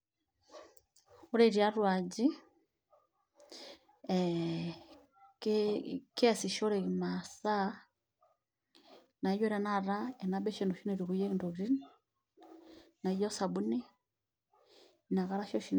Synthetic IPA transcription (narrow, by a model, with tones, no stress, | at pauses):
u˦ɾɛ˨ɾia˦ɾwa˨d͡ʒi˦ | kɛsi˨ʃɔ˦ɾɛimasa˦ | na˨i˦jɔ˦ɾanaɾa˦ɛ˨nabɛ˦ʃɛnduʃi˦nɛɾi˨ɣujɛ˦i˨ndɔ˨βɾi˦n | na˨i˦jɔ˦sa˨bu˦ni˦ | na˨ɣaɾa˦ʃɔ˦ʃin